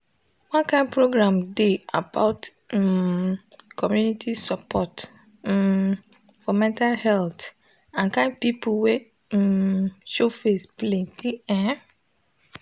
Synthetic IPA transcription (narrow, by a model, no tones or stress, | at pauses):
wɔ̃nkʰãnpʰɾoɡɾãmdeabaʊt | kʰɔmjunitʰisapʰɔt | fɔmɛ̃ntʰalhɛlt | ãnkãnpipʰuwe | ʃofesplẽtʰiɛ̃